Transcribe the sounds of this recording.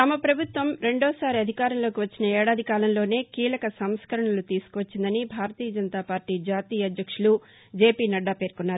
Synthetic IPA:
t̪ɐmɐpɾɐbʱut̪ʋɐmɾe̞ɳɖoːsaːɾiɐd̪ʱikaːɾɐmlo̞ːkiʋɐt͡ʃːinɐɛːɽaːd̪ʱikaːlɐmlo̞ːne̞ːkiːlɐkɐsɐmskɐɾɐɳɐlut̪iːsu̥kuʋɐt͡ʃːind̪ɐnibʱaːɾɐt̪iːjɐd͡ʒɐnt̪aːpaːɾʈiːd͡ʒaːt̪iːjɐɐd̪jɐkʂulu | d͡ʒe̞ːpiːnɐɖːaːpe̞ːɾkunːaːɾuu

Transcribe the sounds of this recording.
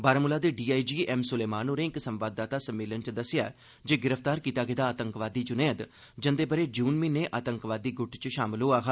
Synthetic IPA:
baːɾəmʊlaːd̪eːɖiːaːid͡ʒiːɛːmsʊleːmaːnoːɾẽːɪksəmʋaːd̪ːaːt̪aːsəmːeːlənt͡ʃd̪əsɪjaːɛ | d͡ʒeːɡɪɾəfʰt̪aːɾkiːt̪aːɡed̪aːt̪əŋkʋaːd̪iːt͡ʃʊneːəd̪ | d͡ʒənd̪eːbəɾeːd͡ʒuːnmĩːneːʔaːt̪əŋkʋaːd̪iːɡʊʈʰt͡ʃʃaːmɪlɦoːaːɦa

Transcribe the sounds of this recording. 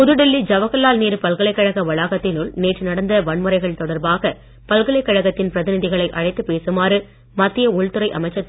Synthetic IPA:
pʊðɯɽɛlːid͡ʒɐʋɐɣɐlːaːlniːɾɯpɐlɣɐɭɐɪkːɐɻɐɣɐʋɐɭaːɣɐt̪ːɪnʊɭneːʈrɯnɐɽɐnd̪ɐʋɐɳmɯɾɐɪɣɐɭt̪ɔɽɐɾbaːɣɐ | pɐlɣɐɭɐɪkːɐɻɐɣɐt̪ːɪnpɪɾɐðɪnɪðɪɣɐɭɐɪʔɐɻɐɪt̪ːɯpeːsɯmaːɾɯ | mɐt̪ːɪjɐʊɭt̪ɯɾɐɪʔɐmɐɪt͡ʃːɐt̪ː

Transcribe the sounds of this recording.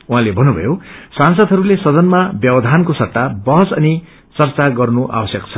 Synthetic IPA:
uɦãlebʱʌnːubʱʌ̰josansʌd̪ʱɦʌɾulesʌd͡zʌnmabjʌbʌd̪ʱankosʌt̪ːabʌɦʌsʌni | t͡sʌrt͡saɡʌrnuʔa̰bʌsjʌk̚t͡sʰʌ

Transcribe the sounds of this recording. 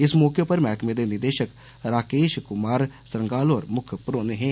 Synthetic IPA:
ɪsmoːkjoːpəɾmɛːkʰmẽːd̪eːnɪd̪eːʃək | ɾaːkeːʃkʊmaːɾsəɾəŋɡaːloːɾmʊkʰəpɾoːneːɦɛ̃ː

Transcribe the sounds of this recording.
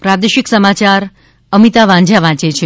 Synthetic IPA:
pɾad̪eʃiksəmat͡ʃaɾ | əmit̪aʋãɲd͡ʒʱjaʋãt͡ʃet͡ʃʰe

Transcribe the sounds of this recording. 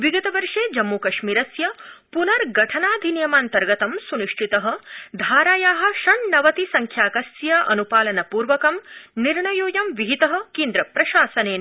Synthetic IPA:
ʋiɡɐt̪ɐʋɐɾʂeːd͡ʒɐmːuːkɐʃmiːɾɐsjɐpunɐɾɡɐʈʰɐnaːd̪ʱinjɐmaːnt̪ɐɾɡɐt̪ɐmsuniʂʈʰit̪ɐɦɐ̆d̪ʱaːɾaːjaːɦɐ̆ʃɐɳnɐʋɐt̪isɐŋkʰjaːkɐsjɐʔɐ̰nupaːlɐnɐpuːɾʋɐkɐmniɾɳɐjoːjɐmʋiɦit̪ɐɦɐ̆keːnd̪ɾɐpɾɐʃaːsɐneːn

